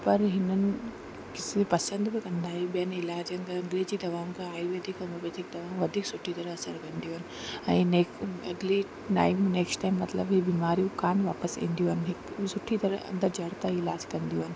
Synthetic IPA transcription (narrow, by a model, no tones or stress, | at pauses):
pɐɾɦɪnənɪ̆ | kɪsepɐsə̃nd̪bɪkɐ̃nd̪aːɦebijənɪlaːd͡ʑənt̪ɐɐ̃ŋɡled͡ʑid̪ɐʋãːkaaːiʋɐd̪ʱikɐ̃ɐbed̪ʱik̚d̪ɐʋãːʋɐd̪ʱiːksʊʈʰit̪ɐɾəɐsəɾkɐ̃nd̪ioːɦɪnɪ̆ | ɛ̃ĩneːkɐ̰ɡle | ʈa̰ːɪmneːksʈʈaːɪmːɐt̪lə̰bɦɪbiːmaːɾijũkaːnʋaːpəsḭ̃ːnd̪ijuːɪnɪɦɪksʊʈʰːit̪ɐɾəɐ̰̃nd̪əɾd͡ʑɐɽt̪aɪlaːd͡ʑkɐ̃nd̪ijuɦɪnɪ̆